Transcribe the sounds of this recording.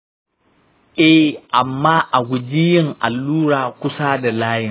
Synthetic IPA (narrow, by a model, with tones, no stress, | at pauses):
ʔɛ˦hʔa˨mːaː˦ʔa˨ɡʷʊ˨d͡ʒiː˦jɪ˦ŋʔa˨lːuː˦ɽaː˨kʷʊ˦saː˦da˨laː˦jɪ˦˨